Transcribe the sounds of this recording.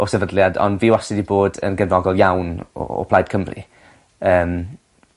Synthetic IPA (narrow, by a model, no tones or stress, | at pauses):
ɔsɛvədlˠjadɔ̰nviːwasɪdiboːdə̰nɡənrɔɡɔlˠjawnɔ̰ɔ̰pʰlajd̥̚kʰəmrḭ | əːm